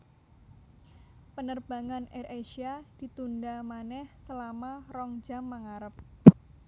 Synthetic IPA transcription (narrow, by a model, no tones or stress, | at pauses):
pənərb̥a̤ŋanɛrʔeʃiad̥i̤t̪undamanɛhsəlamarɔŋd͡ʒamːəŋaɾəp̚